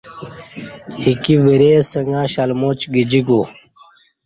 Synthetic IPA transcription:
hikiʋiɾeːsəŋɡãːɕɐlmot͡ɕɡid͡ʑiɡo

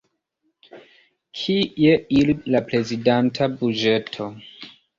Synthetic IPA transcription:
kʰieililapɾe̞zidantʰabud͡ʒe̞tʰo̞

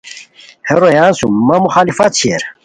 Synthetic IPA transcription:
heɾojaːnsumːɐmuxaːlifat̪̚t͡ɕʰieɾ

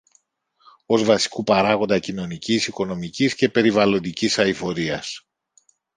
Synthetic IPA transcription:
o̞zvɐsi̥kupɐɾɐɣo̞nd̪ɐcino̞nicisiko̞no̞micisce̞pe̞ɾivɐlo̞nd̪icisɐifo̞ɾiɐs

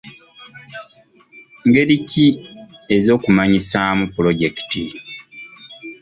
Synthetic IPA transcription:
ŋɡe̞ɾiciezo̞ːkumaɲisamupulo̞ɟe̞ki̥ti

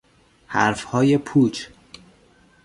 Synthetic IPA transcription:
hæɾfhɒːje̞pʰuːt͡ʃ

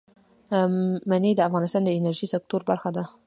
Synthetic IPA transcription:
maned̪əafɣɑnɪst̪ɑnd̪əɪnaɾʒisɪk̚t̪oɾbaɾxad̪a

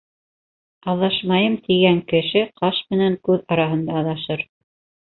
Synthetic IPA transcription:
ɑðɑʃmɑjɤmt̪iɡæŋkɘ̆ʃɘqʰɑʃmɘ̆næŋkʉðɑɾɑɦɤ̆nd̪ɑːðɑʃɤɾ

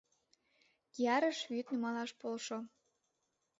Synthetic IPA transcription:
jɑɾəʃβyt̪nymɑlɑʃpolʃo

